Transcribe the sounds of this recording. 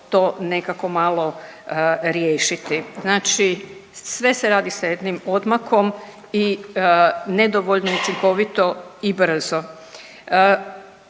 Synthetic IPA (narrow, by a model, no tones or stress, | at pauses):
t̪o̞ːne̞kako̞malˠo̞ | ɾjeːʃit̪iznaːt͡ʃisʋe̞se̞ɾaːd̪isaje̞d̪nimo̞d̪mako̞m | i | ne̞d̪oʋoʎnoiut͡ʃiŋko̞ʋit̪o̞ibr̩zo